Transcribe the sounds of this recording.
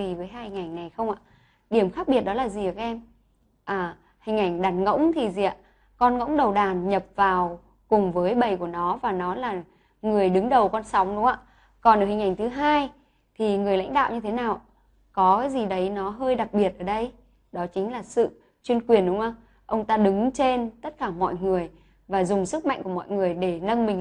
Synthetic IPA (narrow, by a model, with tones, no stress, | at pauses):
i˨˩vəː˨˦jɦaː˧hi˧ŋʔa˧˩jŋ̟na˨˩jxə˧wŋ͡mʔa̰ː˧˨ | ɗi˧˩əmxaː˦˥k̚ɓi˨˩ət̚ɗɔ˨˦laː˨˩zi˨˩əː˧˩a˧ʔɛ˧m | ʔaː˨˩ | hï˨˩ŋ̟ʔa˧˩jŋ̟ɗa˨˦nŋə̰˧˥wŋ͡mt̪ʰi˨˩zi˨a̰˨˧˨ | kɔ˧nŋə̰˧˥wŋ͡mɗə˨˩wɗaː˨˩nɲə˨˩p̚vaː˨˩w | kʊ˨˩ŋ͡mvəː˨˦jɓə˨˩jku˧˩ənɔ˨˦vaː˨˩nɔ˨˦laː˨˩ | ŋɨ˨˩əjɗɨ˨˦ŋɗə˨˩wkɔ˧nsa˨˦wŋ͡mɗʊ˨˦ŋ͡mʔa̰ː˧˨ | kɔ˨˩nəː˧˩hï˨˩ŋ̟ʔa˧˩jŋ̟t̪ʰɨ˨˦ɦaː˧j | t̪ʰi˨˩ŋɨ˨˩əjla̰˧˥ŋ̟ɗa̰ː˧˨wɲɨ˧t̪ʰe˨˦naː˨˩w | kɔ˨˦kaː˨˦jzi˨˩ɗə˨˦jnɔ˨˦ɦəː˧jɗa˨˩k̚ɓi˨˩ət̚ʔəː˧˩ɗə˧j | ɗɔ˨˦t͡ɕï˨˦ŋ̟laː˨˩sɨ̰˧˨ | t͡ɕwi˧ənkwi˨˩ənɗʊ˨˦ŋ͡mʔə˧ | ʔə˧wŋ͡mt̪aː˧ɗɨ˨˦ŋt͡ɕe˧nt̪ə˦˥t̚kaː˧˩mɔ̰˧˨jŋɨ˨˩əj | vaː˨˩zʊ˨˩ŋ͡msɨ˦˥k̚ma̰˧jŋ̟ku˧˩mɔ̰˧˨jŋɨ˨˩əjɗe˧˩nə˧nmï˨˩ŋ̟